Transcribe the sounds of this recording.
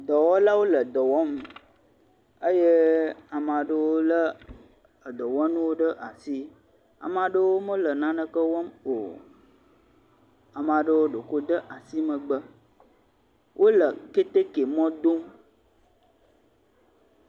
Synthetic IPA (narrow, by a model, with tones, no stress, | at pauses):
d̪ɔ˨wɔ˦la˦wo˦lə˨d̪ɔ˨wɔ˦m˨ | ə˦je˦a˨m˨ã˨ɖə˦wo˦lə˦ | ə˨d̪ɔ˨wɔ˦nũ˦wo˦ɖə˦ʔa˨si˦ | a̰˨mã˨ɖə˦wo˦mə̃˦lə˨nã˦nə̃˦kə˦wɔ˦mo˨ | a˨mã˨ɖə˦wo˦ɖo˨ko˦d̪ə˦ʔa˨si˦mə̃˨ɡ͡bə˦ | wʔo˦lə˨ke˦t̪e˦ke˨mɔ̃˦d̪o˦m